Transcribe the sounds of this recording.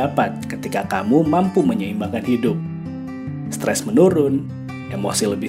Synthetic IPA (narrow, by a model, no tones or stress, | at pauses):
apat̪̚kət̪ikaka̰mumampuməɲəimbakanhidʊp̚ | st̪ɾɛ̰smənuɾʊn | ɛmo̰sɪhləbɪ